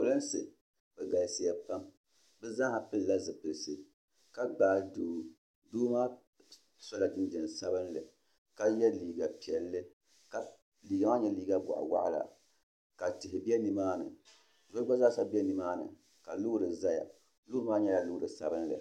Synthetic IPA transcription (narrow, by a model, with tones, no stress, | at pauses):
o˨lɨ˦n˦sɨ˨ | bɛ˨ɡa˨si˨ja˨pa˦m | bɛ˦za˦ha˨pɨ˦lla˦zɨ˨pɨ˨lsɨ˨ | ka˦ɡ͡baː˨˦˨doː˨ | duː˦maː˦ | sɔ˦la˨dɨ˦nd͡ʒɛ˨n˨sa˦bɨ˦nlɨ̰˨ | ka˦jɛ˦liː˨ɡa˨pi˨ɛ˨lːɨ˦ | ka˨ | liː˨ɡa˦maː˦ɲɛ˦liː˦ɡa˦ɡʊ̰˨ʔa̰˨wa̰˦ʔla̰˨ | ka˨tɪ˨ɦɪ˨bi˦ɛ˦ni˨maː˦nɨ̰˨ | zo˦ɡ͡ba˦za˦sa˦bi˦ɛ˦ni˨maː˦nɨ̰˨ | ka˨lʊ˦ɾɨ˨za˦ja̰˨ | lʊ˦ɨ˦maː˦ɲɛ˦ja˨lʊ˦ɾɨ˨sa̰˨bɨ˦nlɨ̰˨